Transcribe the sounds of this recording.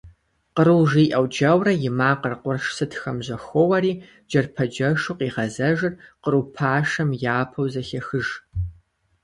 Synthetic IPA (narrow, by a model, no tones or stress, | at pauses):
qəɾɨwʒiːʔɐwd͡ʒɐwrɐjɪmaːqərqʷʊrʂsɨtʰxɐmʑɐxʷɔwɐɾiː | d͡ʒɐrpʰɐd͡ʒɐʂʊqiːʁɐzɐʒɨrqərupʰaːʂɐmjaːpʰɐwzɐɬɐxɨʒ